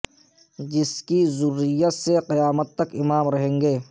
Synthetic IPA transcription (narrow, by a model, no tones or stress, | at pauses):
d͡ʒɪskizʊɾːijət̪seqɪjaːmət̪ːɐkɪmaːmɾɐɦẽːŋɡeː